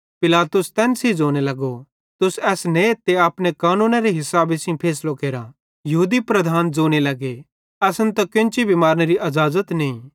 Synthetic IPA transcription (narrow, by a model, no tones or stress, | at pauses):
pɪlaːt̪ʊst̪ɛːnsid͡ʒoːñelɐɡo | t̪ʊsɛːsnẽt̪eaːpnekaːnũːnaɾeɦɪsaːbesĩpʰeːslokeːɾa | jɐɦuːd̪ipɾɐd̪ʱaːnd͡zoːɽ̃elɐɡe | ɛːsənt̪ɐkɪ̃nt͡ʃibʱimaːɾñeɾiʔɐzaːzət̪nẽĩ